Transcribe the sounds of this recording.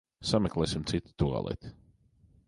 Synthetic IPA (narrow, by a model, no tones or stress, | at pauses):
samɛklˠɛːsimt̪sit̪i̥t̪ua̰lˠɛ̰t̪ʲ